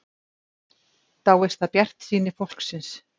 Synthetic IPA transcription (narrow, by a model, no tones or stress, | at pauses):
θawejst̪ʰaðpjɛr̥t̪siːnɪfowl̥ksɪns